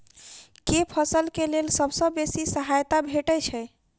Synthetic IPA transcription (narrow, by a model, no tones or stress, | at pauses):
kepʰəsəlkelelsəbsə̃besisəɦajt̪abʱeʈəjt͡ʃʰɛɪ